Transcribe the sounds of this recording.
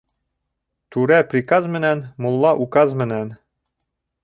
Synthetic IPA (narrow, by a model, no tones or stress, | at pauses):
t̪ʉɾæprikɑzmɘ̆nænmulˠːɑʔukɑzmɘ̆næn